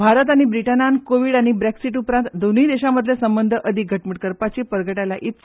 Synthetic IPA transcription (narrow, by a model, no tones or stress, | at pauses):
bʱaɾət̪̬aɽ̃ibɾiʈənankoʋiːɽaɽ̃ibɾeksiʈupɾãnt̪d̪on̤iːd̪eɕaməd̪ʱljesəmbənd̪ʱəʔəd̪ʱiɡʱəʈməʈkəɾpat͡ɕepəɾɡəʈalaʔit̪s